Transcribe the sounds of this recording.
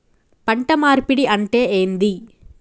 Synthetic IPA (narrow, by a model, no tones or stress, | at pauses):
pɐɳʈɐmaːɾpiɽiʔɐɳʈeːʔeːnd̪i